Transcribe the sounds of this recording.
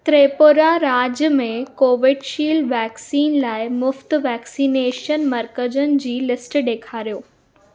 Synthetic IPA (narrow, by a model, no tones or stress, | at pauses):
t̪ɾeːpoɾaɾaːd͡ʑjəmẽkoːʋɪɖʃiːlʋɛːksiːnlaːɪmʊft̪ʋɛːksiːneːʃənmɐɾkəd͡ʑənɪ̆d͡ʑiːlɪsʈɗeːkʰaːɾijoː